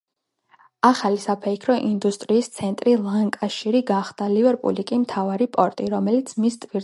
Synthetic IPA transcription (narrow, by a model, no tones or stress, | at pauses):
aχalisapʰɛikʰɾɔʔind̪ust̪ʼɾiːst̪sʰɛnt̪ʼɾilˠaŋkʼaʃiɾiɡaχd̪̥alivɛɾpʼṵlikʼimt̪ʰavaɾipʼɔɾt̪ʼiɾɔmɛlit̪sʰmist̪ʼviɾ